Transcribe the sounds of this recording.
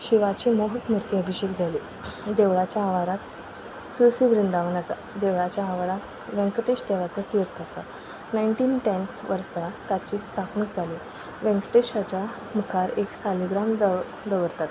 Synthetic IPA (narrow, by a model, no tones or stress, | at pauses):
ɕiʋat͡ɕiːmoɦət̪muɾt̪iəbʱiɕekd͡zʱaliː | d̪eʋɭat͡ɕjaːʋaɾat̪ | fjusiʋɾind̪aʋənasa̰ | d̪eʋɭat͡ɕjaːʋaɾat̪ | ʋɛ̃ŋkəʈeɕʈ̪eʋat͡sat̪iɾk̪ʰəsa̰ | naiɳʈiːnʈɛ̃ntʋəɾsat̪at͡ɕiːst̪ʰapnəkd͡zʱaliː | ʋɛ̃ŋkəʈeɕat͡ɕa | mukʰaɾeksaliɡɾam | d̪əʋəɾt̪at̪